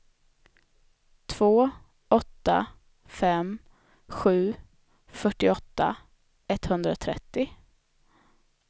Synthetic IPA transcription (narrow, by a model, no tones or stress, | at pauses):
t̪ʰv̥oː | ɔt̪ːa̰ | fɛm | ɧʉ̟ː | fœʈːɪɔt̪ːa̰ | ɛt̪hɵnd̪ɾat̪ʰɾɛ̰t̪ːɪ